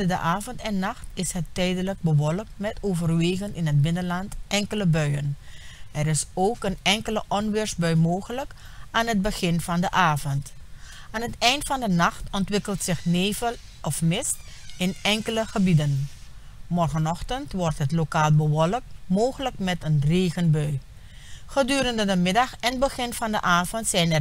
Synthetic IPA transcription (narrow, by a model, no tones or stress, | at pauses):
ədə̰ʔaːvəntɛnːɑχtɪsɦətːɛjdələk̚bəʋɔlək̚tmɛtoːvərʋeːɣənɪnɦət̚bɪnənlɑntʔɛŋkələbœɥənɛɾɪsowkənɛŋkələʔɔnʋɪːɹsbœɥmoːχələk | aːnɦəd̚bəχɪnvɑndəʔaːvənt | aːnɦətɛjntfɑndənɑχtɔntʋɪkəlˠtsɪχneːvəl | ʔɔfmɪst | ɪnɛŋkələχəbidən | mɔrχənɔχtəntʋɔrtɦətlokaːlˠbəʋɔlək̚moːχələkmɛtənreːχənbœɥ | χədyːɾəndədəmɪdɑxɛnbəχɪnvɑndəʔaːvɔntsɛjnɛr